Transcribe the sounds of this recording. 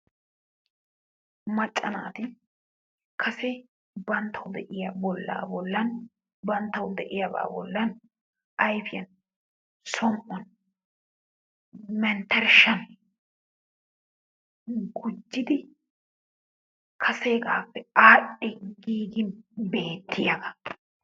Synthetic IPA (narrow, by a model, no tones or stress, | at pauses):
mɐt͡ʃʼːɐna̰ːt̪ɪ | kʰɐsɛ | bɐnt̪ʰːɐwd̪ɛʔɪjɐbɔlːa̰ːbɔlːɐn | bɐnt̪ːɐwd̪ɛʔɪjɐba̰ːbɔlːɐn | ʔɐjfɪjɐn | sɔmʔɔn | mɛnt̪ɛɾʃɐn | ɡʊd͡ʒːɪd̪ɪ | kʰɐseːɡaːpːɛaːɗɛɡiːɡɪnbe̞ːt̪ːɪjɐɡɐ